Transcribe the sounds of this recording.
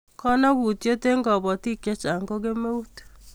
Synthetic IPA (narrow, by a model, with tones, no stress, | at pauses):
kɔ˦na˦ɣu˨tjo˦te˦ŋɡɔ˨bɔ˨ti˦kje˦t͡ʃa˨ŋɡo˦ke˦me˦u˦tu̥˨